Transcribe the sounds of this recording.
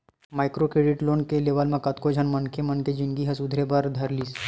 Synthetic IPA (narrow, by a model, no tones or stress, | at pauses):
majkɾokɾeɖiʈlonkeleʋəlmãkət̪kod͡ʒʱənmənkʰemənked͡ʒiŋɡiɦɐsud̪ʱɾebaɾd̪ʱəɾliːs